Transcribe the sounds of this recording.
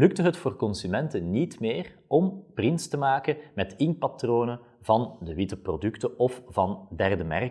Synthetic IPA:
lʏk̚təɦətfoːrkɔnsymɛntənnitmeːrɔmprɪnstəmaːkəmɛtɪnpɑtroːnə | vɑndəʋɪtəprodʏktəʔɔfv̥ɑndɛrdəmɛ̰r

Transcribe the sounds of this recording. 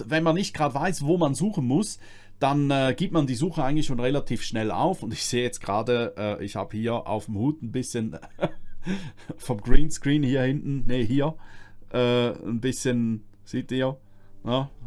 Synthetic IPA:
vɛnmanːɪçt̚ɡ̥ʁaːdəvaɪsvoːmanzuːχən̩mʊs | d̥anɛːɡ̥iːp̚tmandiːzuːxəʔaɪɡŋ̩tlɪçʃoːnʁelatʰiːfʃnɛlʔa̰ʊfʊndɪçz̥eːjɛt͡stɡ̥ʁaːdəʔɛːʔɪçha̰ːb̥əhiːɐʔa̰ʊfm̩huːtn̩bɪsçən | fɔmɡʁiːnskʁ̥iːnhiːɐhɪntn̩nehiːɐʔɛːnbɪsçənz̥iːt̚d̥i | nə

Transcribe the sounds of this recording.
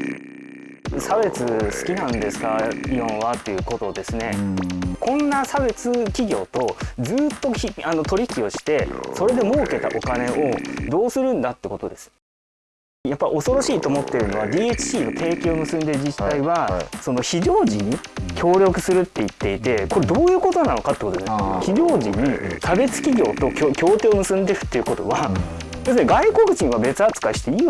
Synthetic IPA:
sabe̞t͡sɨsɨ̥kʲinãnd̪e̞sɨ̥kaijõɰ̃βat̪ːe̞jɯ̟ko̞t̪o̞d̪e̞sɨne̞kõ̞nːasabe̞t͡sɨkʲiɡʲo̞ːt̪o̞d͡zɨːt̪ːo̞çiano̞t̪o̞ɾʲiçkʲio̞ɕi̥t̪e̞so̞ɾe̞d̪e̞mo̞ːke̞t̪a̰ʔo̞kane̞o̞d̪o̞ːsɨɾɯ̟̃nd̪at̪ːeko̞t̪o̞d̪e̞sɨ̥ | japːaio̞so̞ɾo̞ɕiːt̪o̞ːmo̞t̪ːeɾɯ̟no̞βad̪ʲiːet͡ɕi̥ɕiːnok̪ʰe̞ːkʲeːo̞mɯ̟sɨ̃nd̪e̞ɾɯ̟d͡ʑit̪ːaiβaso̞no̞çiʑo̞ːʑiɲ̟ːi | kʲʰo̞ːɾʲo̞kɯ̟sɨɾɯ̟t̪ːe̞it̪ːe̞it̪e̞ko̞ɾe̞d̪o̞ːjɯ̟ːko̞t̪o̞nano̞kat̪ekot̪od̪sçiʑo̞ːʑiɲ̟it̪ʰabe̞t͡sɨ̥kʲiɡʲo̞ːt̪o̞kʲokʲʰo̞ːt̪eomɯ̟sɨ̃nd̪eɾɯ̟̥t̪ːe̞iɯ̟ko̞t̪o̞̰βa | d̪̥e̞sɨneɡaiko̞kɯ̟t͡ɕĩɰ̃βabe̞t͡sɨat͡sɨ̥kaɕi̥t̪ei

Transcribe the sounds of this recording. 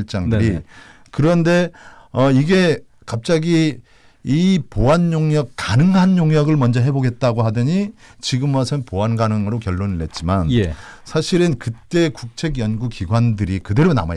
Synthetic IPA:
iɭt͡ɕ͈aŋdɯɾi | kɯɾʌnde̞ʌiɡe̞ | kap̚t͡ɕ͈aɡiː | poanjoŋɲʌk͈ːanɯŋɦanjoŋɲjʌɡɯɭmʌnd͡ʑʌɦe̞boɡet̚t͈aɡoɦadɯɲit͡ɕiɡɯmʌsʰɯnpoanɡanɯŋɯɾokjʌɭːoniɭet̚t͡ɕ͈imanesʰaɕʰiɾɯnkɯt͈e̞kuk̚t͡ɕʰeɡjʌnɡukiɡwandɯɾikɯde̞ɾona̰ma

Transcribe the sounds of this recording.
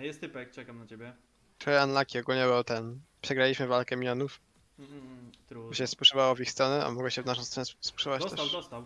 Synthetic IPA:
jɛst̪ɨpɛk̚t͡ɕɛkamnat͡ɕebʲjɛ | t̪ɾɔjɛanlakʲiɔɡulɲɛbɛwt̪ɛnpʂɛɡɾalʲiɕmɘvalkɛmʲjɔnuf | ɾɔɕɛspuʂɛbawɔvixst̪ɾɔnɛa̰mɔɡwɛɕɛvnaʃ̬ɔ̃wst̪ɾɔnɛsspu̥ʂɛbat͡ɕ̪ɛt̪ɔst̪aw

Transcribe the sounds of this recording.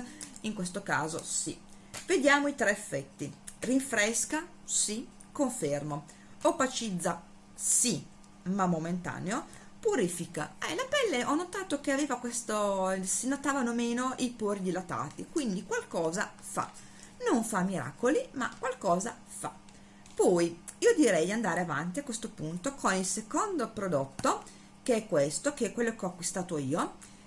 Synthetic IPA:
iŋkwest̪oka̰ːzo̰sḭ | ved̪jaːmoit̪ɾɛːfːɛt̪ːiriɱfɾɛska | si | koɱfermo | opat͡ʃid̪zːa | si | mamːoment̪a̰ːneo | puɾifika̰ɛlapɛlːeʔɔnːot̪aːt̪okeaveːvakwest̪osinot̪aːvanomeːnoʔipurʎilot̪a̰ːt̪ikwind̪ikwalkɔːza | fa̰ | noɱfamːiɾa̰ːkolima̰kwalkɔːza | fa̰ | pɔːjiːod̪iɾɛjd̪iand̪aːɾeava̰nt̪iakːwest̪opunt̪okʰonilsekond̪opɾod̪ot̪ːo | keɛkːwest̪okeɛkːwelːokeɔakwist̪aːt̪oiːo

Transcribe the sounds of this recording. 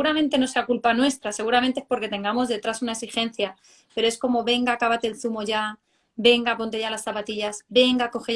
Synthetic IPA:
ɣuɾamẽ̞nt̪e̞no̞se̞akulpanwe̞st̪ɾase̞ɣuɾament̪eespo̞ɾke̞t̪e̞ŋɡamo̞zðe̞t̪ɾasunaeksixe̞n̟θja | pe̞ɾo̞e̞sko̞mo̞βe̞ŋɡakaβat̪e̞lθumo̞ʝa | be̞ŋɡapo̞nt̪e̞ʝalasθapat̪iʝasbe̞ŋɡako̞xe

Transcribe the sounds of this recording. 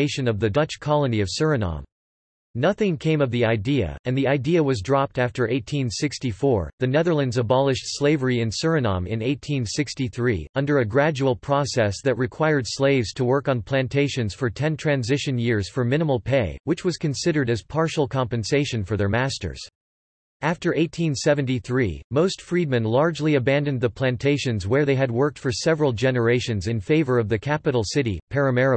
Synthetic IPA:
ɪʃɨ̃nʌvðɨdʌt͡ʃkʰɑlˠəniʌv̥sɜ˞ɨnɑ̰̃m | nʌθɪ̃ŋkʰẽɪ̃mʌvðiaɪdiɨ̰ɨ̃nðiaɪdiɨwʌzdɹɑp̚tæftə˞ʔeɪtʰĩnsɪkstifɔɹðɨnɛðə˞lˠə̃ndzəbɑlˠɨʃtsleɪvə˞iɨ̃nsɜ˞ɨnɑ̰̃mɪ̰̃neɪtʰĩnsɪkstiθɹḭʌ̃ndə˞ɨɡɹæd͡ʒul̩ˠpʰɹ̥ɔsɛsðɨt̚ɹɨkʰw̥aɪə˞d̥sleɪvz̥tʰəwɜ˞kn̩pʰl̥æ̃ntʰeɪʃɨ̃nz̥fə˞tʰɛ̃ntʰɹ̥æ̃nzɪʃɨ̃njɪɹz̥fə˞mɪ̃ñəml̩ˠpʰeɪwɨt͡ʃwʌz̥kʰɨ̃n̩sɪɾə˞ɾɨz̥pʰɑɹʃl̩ˠkʰɑ̃mpɨ̃nseɪʃɨ̃nfə˞ðə˞mæstə̰˞z̥ | æftə˞ʔeɪtʰĩnsɛvɨ̃ntiθɹḭmoʊstfɹid̚mɨ̃nlɑɹd͡ʒliɨbæ̃ndɨ̃nðəpʰl̥æ̃ntʰeɪʃɨ̃nzwə˞ðeɪɨd̚wɜ˞k̚tfə˞sɛvɹl̩ˠd͡ʒɛnə˞eɪʃɨ̃nzɨ̃nfeɪvə˞ʌvðɨkʰæpɨɾl̩ˠsɪɾḭpʰɛɹɨmɛɹ

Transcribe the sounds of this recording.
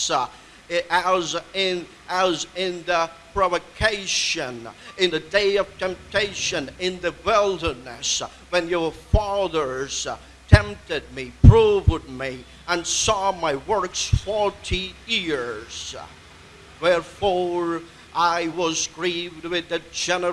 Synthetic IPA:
zɪ̃n | əzɪ̃nðəpʰɹ̥ɑvəkʰeɪʃɨ̃nɪ̃nðɨdeɪʌv̥tʰɛ̃mp̚tʰeɪʃɨ̃nɪ̃nðɨwɪlˠdə˞nɨ̰s | wɨ̃njə˞fɑðə˞z̥ | tʰɛ̃mp̚tɨd̚mipʰɹ̥uvd̚mi | ə̃nsɔmaɪwɜ˞ksfɔɹɾʰijɪɹz̥ | wɛɹfɔɹ | ʔaɪwʌzɡɹivd̚wɪðɨd͡ʒɛnə

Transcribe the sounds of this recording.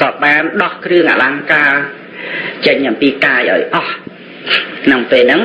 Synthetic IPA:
kɑːɓaːnɗɑhkrɨəŋʔa̰ːlaŋkaː | t͡ɕəɲʔɑmpiːkaːjʔa̰ɔjʔɑh | nɨwpeːlnɨŋ

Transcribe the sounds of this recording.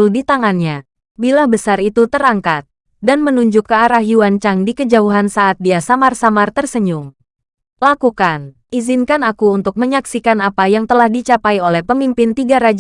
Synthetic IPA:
ldit̪aŋanɲa | bilabəsarit̪ut̪əɾaŋkat̪̚ | danmənuɲd͡ʒʊkːəaɾahjuwant͡ʃaŋdikəd͡ʒauɦansaːt̪̚diasamarsamart̪ərsəɲʊŋ | lakukanʔizinkanakuunt̪ʊk̚məɲaksikanapajaŋt̪əlahdit͡ʃapaiolɛhpəmimpɪnt̪iɡaɾad͡ʒ

